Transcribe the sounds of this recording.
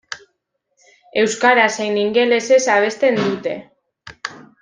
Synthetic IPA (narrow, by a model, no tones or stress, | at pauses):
e̞wskaɾasejniŋɡe̞le̞se̞saβe̞st̪e̞nd̪ut̪e̞̰